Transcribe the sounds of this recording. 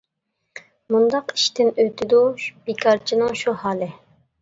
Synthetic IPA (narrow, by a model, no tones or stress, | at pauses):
mund̪ɑqi̥ʃt̪ɪnøt̪ʰɪd̪ub̥ikʰɑɾt͡ʃʰinɨŋʃuhɑːlˠɨ